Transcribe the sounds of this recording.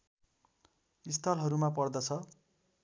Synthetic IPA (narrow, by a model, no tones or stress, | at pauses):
ist̪ʰʌlɦʌɾumapʌrd̪ʌt͡sʰʌ